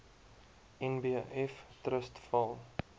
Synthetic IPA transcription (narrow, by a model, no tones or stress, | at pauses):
ɛnbiaʔɛftrəstfɐlˠ